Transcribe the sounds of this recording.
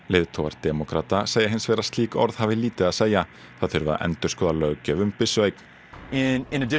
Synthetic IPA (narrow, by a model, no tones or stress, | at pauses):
leːðt̪ʰoːwva̰ɾt̪ɛmɔkʰɾaːt̪aseːjɪɦɪnsvɛːɾast̪liːkɔ̰ɾð̥havɪliːt̪ɪaðseːja | θaðθʏɾva̰ʔɛ̰nt̪ʏɾ̥skʰɔːðalœɣcɛvʏmpɪsveːjk̪ | ɪ̃nɪ̃nɨdɪ